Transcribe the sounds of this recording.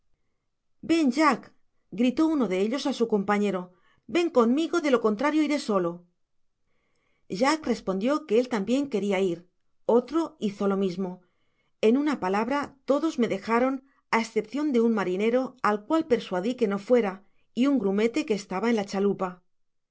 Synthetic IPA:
be̞nʒak | ɡɾit̪o̞uno̞ðe̞e̞ʎo̞sasuko̞mpaɲe̞ɾo̞ | be̞ŋko̞nmiɣo̞ðe̞lo̞ko̞nt̪ɾaɾjo̞iɾe̞so̞lo̞ | ʒakre̞spond̪jo̞ke̞elt̪ambje̞ŋke̞ɾiaiɾ | o̞t̪ɾo̞iθo̞lo̞mizmo̞ | e̞nunapalaβɾat̪o̞ðo̞zme̞ðe̞xaɾo̞n | aesθe̞pθjo̞nd̪e̞unmaɾine̞ɾo̞alkwalpe̞ɾswaðike̞no̞fwe̞ɾa | iuŋɡɾume̞t̪e̞ke̞ːst̪aβae̞nlat͡ʃalupa

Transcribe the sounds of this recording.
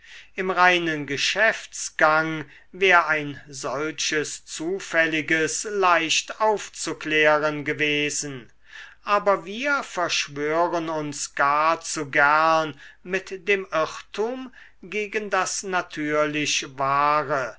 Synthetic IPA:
ʔɪmʁaɪnənɡəʃɛft͡sɡ̥aŋ | vɛːʁaɪnzɔlʃəst͡suːfɛlɪɡəslaɪʃtaʊft͡suklɛːʁənɡəveːzn | ʔaːbɐviːɐfɛɐʃv̥øːʁənʊnsɡ̥aːɐt͡suɡæɐnmɪtd̥eːmɪχtʰuːm | ɡeːɡəndasnatʰyːɐlɪɕvaːʁə

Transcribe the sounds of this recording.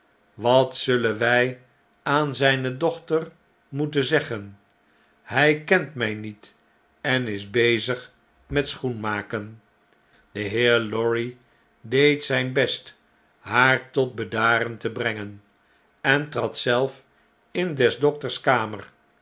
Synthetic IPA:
ʋɑtsɵlənʋɛj | aːnzɛjnədɔχtər | mutəzɛχən | hɛjkɛntmɛjnit | ɛnɪzbejzəχ | mɛtsχunmaːkən | d̥əɦɪːɹlɔɹi | dejtsɛjnbɛst | ɦaːɹtɔt̚bədaːɾəntəbrɛŋən | ɛntrɑtsɛlˠf | ɪndɛzdɔk̚təɹskaːmər

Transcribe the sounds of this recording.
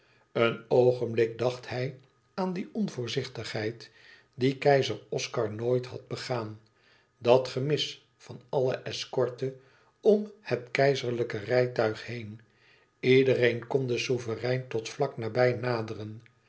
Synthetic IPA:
ənowχənblɪk̚dɑχthɛj | aːndiʔɔnvʊːɹzɪχtəχhɦɛjt | dikɛjzərɔskɑɹnoːjtɦɑ̰d̚bəχaːn | dɑtχəmɪs | fɑnɑləʔɛskɔɹtə | ɔmhətkɛjzəɹləkərɛjtœɥχhejn | idəɾejnkɔndəsuvərɛjntɔtflɑknaːbɛjnaːdərən

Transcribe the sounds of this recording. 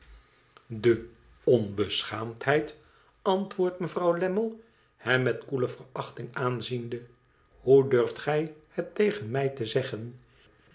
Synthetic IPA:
də | ɔnbəsχaːmthɛjt | ɑntʋʊːɹtməvrɑwlɛməlˠ | hɛmːɛtkuləvərɑχtɪŋaːnzində | hudøɹftχɛjhətejχənmɛjtəzɛχən

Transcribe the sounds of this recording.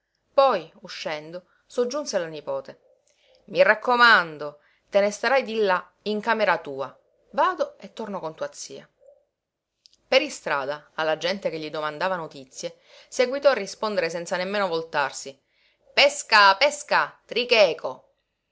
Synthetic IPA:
pɔjuʃːɛnd̪o | sod͡ʒːunselanipɔːt̪e | mirakːomand̪o | t̪enest̪aɾajd̪ilːa | iŋkaːmeɾat̪uːa | vaːd̪oet̪ːornokont̪uat̪sːḭːa | peɾist̪ɾaːd̪aːlːad͡ʒɛnt̪ekeʎːid̪omand̪aːvanot̪it̪sːje | seɡwit̪ɔarːispond̪eɾes̬ɛnt̪sanemːeːnovolt̪arsi | pɛskapɛskat̪ɾikɛːkʰo

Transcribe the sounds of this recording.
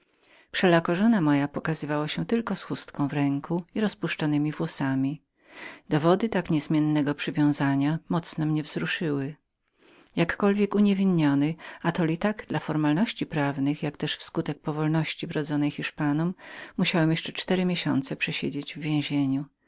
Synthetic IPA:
pʂɛlakɔʐɔnamɔjapɔkazɘvawaɕɛt̪ɘlkɔsxust̪kɔ̃w̃vɾɛŋkuiɾɔspuʂt͡ʂɔnɘmʲivwɔsamʲi | d̪̥ɔvɔd̪ɘt̪akɲɛzmʲjɛnːɛɡɔpʂɘvʲjɔ̃w̃zaɲamɔt̪snɔmɲɛvzɾuʂɘwɘ | jakːɔlvʲjɛkuɲevʲinɲɔnɘat̪ɔlʲit̪aɡd̪̥lafɔɾmalnɔɕt͡ɕipɾavnɘxjakt̪ɛʂfskut̪ɛk̚pɔvɔlnɔɕt͡ɕivɾɔd̪zɔnɛjxiʂpanɔmːuɕawɛmjɛʂt͡ʂɛt͡ʂt̪ɛɾɘmʲjeɕɔ̰nt̪sɛpʂɛɕed͡ʑed͡ʑvːʲjẽw̃ʑeɲu

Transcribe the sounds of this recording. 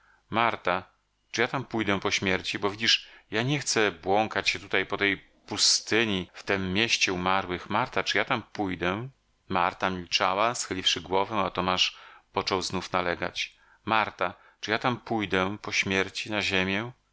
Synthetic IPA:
maɾt̪a | t͡ʂɨjat̪ampujd̪ɛpɔɕmʲjɛɾt͡ɕibɔvʲid͡ʑiʂjaɲɛxt̪sɛbwɔŋkat͡ɕɕɛt̪ut̪ajpɔt̪ɛj | pust̪ɘɲift̪ɛmːjeɕt͡ɕɛumaɾwɘxmaɾt̪at͡ʂɨjat̪ampujd̪ɛ | maɾt̪amʲilt͡ʂawasxɘlʲifʂɘɡwɔvɛ̃at̪ɔmaʂpɔt͡ʂɔwznufnalɛɡa̰t͡ɕ | maɾt̪a | t͡ʂɨjat̪ampujd̪ɛpɔɕmʲjɛɾt͡ɕinaʑemʲjɛ

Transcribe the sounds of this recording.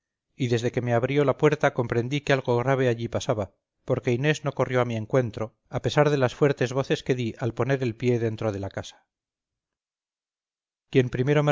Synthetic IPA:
iðe̞zðe̞ke̞me̞aβɾjo̞lapwe̞ɾt̪ako̞mpɾe̞nd̪ikealɣ̞o̞ɣɾaβ̞e̞aʎipasaβa | po̞ɾke̞ine̞zno̞ko̞rjo̞amie̞ŋkwe̞nt̪ɾo̞ | ape̞saɾðe̞lasfwe̞ɾt̪e̞zβo̞θe̞ske̞ðiʔalpo̞ne̞ɾe̞lpje̞ðe̞nt̪ɾo̞ðe̞lakasḁ | kje̞mpɾime̞ɾo̞me

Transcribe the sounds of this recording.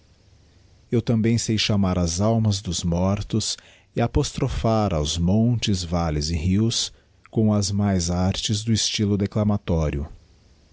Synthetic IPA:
ewt̪ɐ̃mbẽj̃sejʃamaɾɐzawmɐzd̪ʊzmɔɾt̪ʊs | ɪapost̪ɾofaɾawzmõnt͡ʃɪzvalɪzɪhiws | kõw̃ɐzmajzaɾt͡ʃɪzd̪ʊist͡ʃilʊd̪eklamat̪ɔɾjʊ

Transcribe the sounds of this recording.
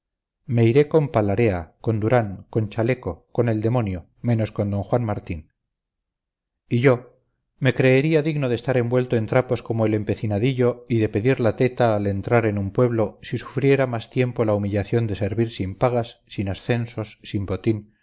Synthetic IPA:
me̞iɾe̞ko̞mpalaɾe̞ako̞nd̪uɾaŋko̞nt͡ʃale̞ko̞ko̞ne̞ld̪e̞mo̞njo̞ | mẽ̞no̞skond̪o̞ŋxwanmaɾt̪in | iʝo̞ | me̞kɾe̞ːɾiaðiɣno̞ð̞est̪aɾe̞mbwe̞lt̪o̞e̞nt̪ɾapo̞sko̞moele̞mpe̞θinaðiʎo̞iðe̞pe̞ðiɾlat̪e̞t̪aːle̞nt̪ɾaɾe̞numpwe̞βlo̞sisu̥fɾje̞ɾamast̪je̞mpo̞laumiʎaθjo̞nd̪e̞se̞ɾβiɾsimpaɣasːinasθe̞nso̞sːimbo̞t̪in

